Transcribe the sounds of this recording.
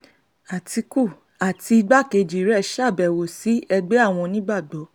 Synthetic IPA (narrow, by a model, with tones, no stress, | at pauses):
a˨ti˧ku˦˨ | a˨ti˧i˧ɡ͡ba˦ke˧d͡ʒi˨˦ɾɛ˦˨ʃa˦˨bɛ˨wo˨si˨˦ɛ˧ɡ͡be˦a˦˨w̃ɔ̃˧nĩ˦ɡ͡ba˦˨ɡ͡bɔ˨˦